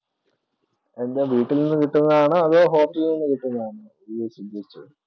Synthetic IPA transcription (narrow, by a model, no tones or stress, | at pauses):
e̞nd̪eʋiːʈːilninːɨkiʈːunːɐðaːɳɨɐðoːɦo̞ːpːiːninːɨkiʈːunːɐaːɳɨ | esumb̪ɐɾit͡ɕːṵ